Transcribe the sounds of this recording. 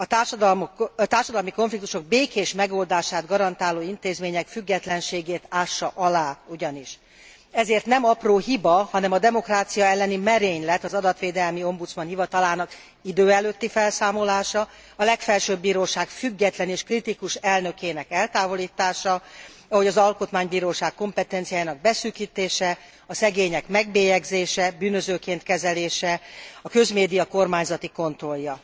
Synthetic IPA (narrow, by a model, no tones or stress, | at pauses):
ɒt̪aːrʃɒd̪lt̪aːrʃɒd̪ɒlmiko̞ɱflikt̪u̥ʃo̞ɡ̚beːkeːʃmɛɡo̞ld̪aːʃaːd̪ɡɒɾɒnt̪aːloːint̪eːzmeːɲɛkfyɡːɛt̪lɛnʃeːɡeːt̪aːʃːɒʔɒlaːuɟɒniʃ | ɛzeːrt̪nɛmɒproːɦibɒhɒnɛmɒd̪ɛmo̞kraːt̪sijɒɛlːɛnimɛɾeːɲlɛt̪ːɒzɒd̪ɒt̪ʋeːd̪ɛlmio̞mbut̪smɒnhivɒt̪ɒlaːnɒk | id̪øːɛløːt̪ːifɛlsaːmo̞laːʃɒ | ɒlɛkfɛlʃøːbːiːɾoːʃaːkfyɡːɛt̪lɛneːʃkrit̪ikuʃɛlnø̞keːnɛkɛlt̪aːvo̞liːt̪aːʃɒ | ɒɦho̞ɟɒzɒlko̞t̪maːɲbiːɾoːʃaːkːo̞mpɛt̪ɛnt̪sijaːjaːnɒɡ̚bɛsyːkiːt̪eːʃɛ | ɒsɛɡeːɲɛkmɛɡbeːjɛɡzeːʃɛbyːnːøzøːkeːnt̪kɛzɛleːʃɛɒkø̞zmeːd̪ijɒko̞rmaːɲzɒt̪iko̞nt̪ro̞ljɒ